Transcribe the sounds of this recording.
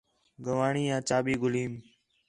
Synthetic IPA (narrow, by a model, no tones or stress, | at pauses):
ɡəʋaːɳiːjãːt͡ʃaːɓiːɡʊliːm